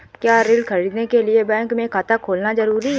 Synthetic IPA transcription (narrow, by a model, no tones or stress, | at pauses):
kjaːɾɪlkʰɐɾiːd̪nekeliebɛ̃ːŋkmẽkʰaːt̪akʰoːlnazɐɾuːɾiɦ